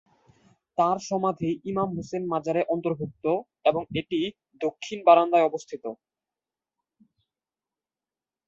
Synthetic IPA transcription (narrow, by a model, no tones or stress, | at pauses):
t̪aɾʃɔmad̪ʱiʔimamɦosenmad͡ʑaɾeʔɔnt̪oɾbʱuk̚t̪o | eboŋeʈi | d̪okʰːinbaɾand̪aeɔbost̪ʰit̪o